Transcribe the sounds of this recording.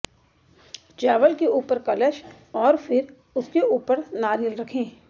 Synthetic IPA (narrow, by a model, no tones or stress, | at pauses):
t͡ʃaːʋəlkeuːpəɾkɐləʃ | ɔːɾfʰɪɾ | ʊskeʔuːpəɾnaːɾiəlɾɐkʰẽː